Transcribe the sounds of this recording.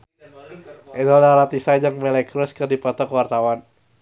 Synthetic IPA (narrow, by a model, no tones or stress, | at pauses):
ʔɛnɔlaɾat̪isad͡ʒaŋmɛlɛkɾuskɨrdipɔt̪ɔkwart̪awan